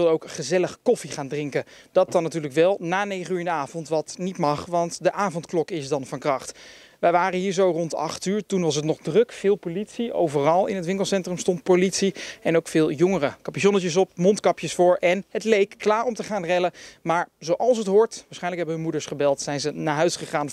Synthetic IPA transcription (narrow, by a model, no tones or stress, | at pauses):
ɪlˠəowkχəzɛləχkɔfiχaːndrɪŋkəd̥ɑt̚ɑnːatyːɹləkʋɛlˠnaːnejχənyɹɪndəaːvɔntʋɑtnitmɑχʋɑntdəʔaːvɔntklɔkɪsdɑnvɑnkrɑχt | ʋɛjʋaːrəɦiːɹzowrɔntɑ̰χtyːɹtunʋɑs̬ətnɔχdrɵkfɪːlˠpolitsiʔo̰wvərɑlˠɪ̰nɦətʋɪŋklˠsɛntrəmstɔnt̚politsiɛnowkfɪːlˠjɔŋərəkɑpiʃɔnət͡ʃəs̬ɔp̚mɔntkɑpjəsfʊːɹʔɛnɦətlejkːlaːɹɔmtəχaːnrɛləmaːɹzowʔɑlˠs̬ətɦʊɹtʋaːɹsχɛjnləkɦɛbəɦɵnmudəɹsχəbɛlˠtsɛjnzənaːɹɦœɥsχəχaːn